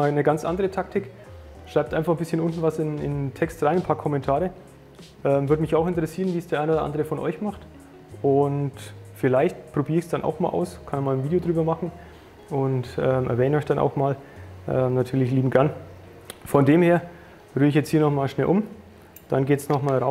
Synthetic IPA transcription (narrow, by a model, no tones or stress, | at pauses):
nəɡant͡sʔa̰ndəʁətʰaktʰɪk | ʃʁ̥aɪp̚tʔaɪnfaχn̩bɪsçənʔʊntn̩vasɪnɪ̰ntʰɛkstʁaɪnnpʰaːɐkʰɔmɛntʰaːʁə | ʔɛːmvʏɐtmɪçaʊxɪntəʁəsiːʁənviːsd̥eːɐʔaɪnoːdɐʔa̰ndəʁəfɔnʔɔ̰ʏçmaχt | ʔʊntfɪlaɪçtpʁ̥obiːɐɪçsd̥anʔa̰ʊxma̰ːlʔa̰ʊskʰanmaːlənviːdejodʁyːbɐmaχn̩ | ʊntʔɛːmʔɛɐɛːnɔʏçd̥anʔa̰ʊxmaːlʔɛːmnatʰyːɐlɪçliːbm̩ɡ̥ɛɐn | fɔndeːmheːɐ | ʁyːɪçjɛt͡sthiːɐnɔχmaːlʃnɛlʔʊm | d̥anɡeːtsnɔχmaːlʁa